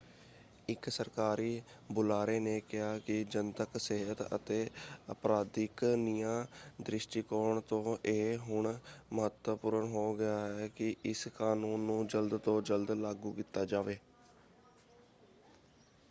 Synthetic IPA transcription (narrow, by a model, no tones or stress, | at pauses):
ɪksəɾkaːɾiː | bʊlaːɾeːneːkɪɦaːkɪd͡ʒənt̪əkseɦət̪ə̰t̪eːəpɾaːd̪ɪknijãːd̪ɾɪʃʈiːkoːɾɳt̪õːʔeːɦʊɳməɦət̪wəpʊːɾənɦoːɡɪaːɛːkɪʔɪskaːnuːnːũːd͡ʒəld̪t̪õːd͡ʒəld̪laːɡuːkiːt̪ːaːd͡ʒaːʋeː